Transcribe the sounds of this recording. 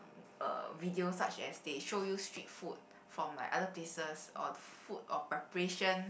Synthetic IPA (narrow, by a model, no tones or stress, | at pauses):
ə̰vidiosa̰t͡ʃɛ̰sdeʃojustɹit̚fut̚ | fɹɔ̃mːa̰jʔa̰dəplesəsɔ̰dəfut̚ɔpɹɛpəɹeʃə̃n